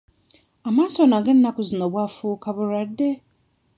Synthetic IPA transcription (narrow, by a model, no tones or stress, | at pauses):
amãsɔnãŋɡɛn̩nãkʊzinɔ̃bwafʊkʰabʊɾade